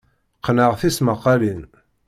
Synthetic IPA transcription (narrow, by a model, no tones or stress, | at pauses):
qːnəʁθisməqːɑlin